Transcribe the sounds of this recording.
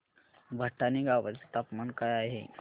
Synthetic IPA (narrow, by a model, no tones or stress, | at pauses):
bʱəʈːaniɡaʋət͡se̥t̪apmankajaɦḛ